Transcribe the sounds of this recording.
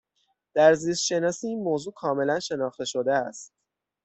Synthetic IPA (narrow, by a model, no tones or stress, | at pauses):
d̪̥æɾziːst̪ʃe̞nɒːsiːiːnmoːzuːkʰɒːme̞lænʃe̞nɒːxt̪e̞ʃo̞d̪eæst̪̚